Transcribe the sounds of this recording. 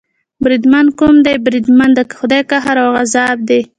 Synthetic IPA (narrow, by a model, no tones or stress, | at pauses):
bɾid̪mankumd̪ajbɾid̪mand̪əxʊd̪ajkaɦaɾawɣazɑb̚d̪e